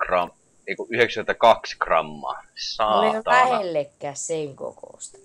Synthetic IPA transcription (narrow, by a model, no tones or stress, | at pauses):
krɑm | eˑikuʔyheksmnt̪ɑkɑkskrɑmːɑ̰ːsɑːeikot̪ɑæhelːekːæːsseiŋko̰ko̰ːst̪ɑ̥